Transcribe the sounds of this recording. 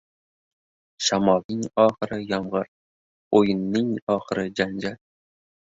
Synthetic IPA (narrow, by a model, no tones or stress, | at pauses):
ʃamɒlˠnɪŋɒːχɨɾɪjɒmʁɨɾ | ojɪnːɪŋɒχɨɾɪd͡ʒand͡ʒaɾ